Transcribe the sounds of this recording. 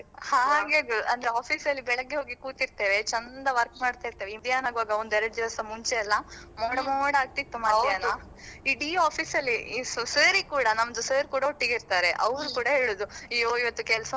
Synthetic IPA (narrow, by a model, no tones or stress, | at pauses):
haːɡeɡuʔɐnd̪ɐɾeaːpʰiːsɐlːibɛɭɐɡːe̞ɦoːɡikuːt̪iɾt̪eːʋe̞t͡ʃɐnd̪ɐʋɐɾkmaːɖt̪aːiɾt̪eːʋeind̪ijaːnaːɡʋaːɡɐond̪uɛɾɐɽd͡ʒ̪ɐʋɐsɐmuɲt͡ʃeɐlːɐ | moːɽɐmoɽaːɡ̚t̪it̪ːumajaːna | iɽiːaːpʰiːsɐlːisuseːɾikuːɽɐnɐmɐd̪useːɾkuːɽɐɦoʈːiɡiɾt̪aːɾe̞ʔɐʋɾukuːɽɐɦeːɭuːd̪uijoːiʋɐt̪ːukɛlsɐ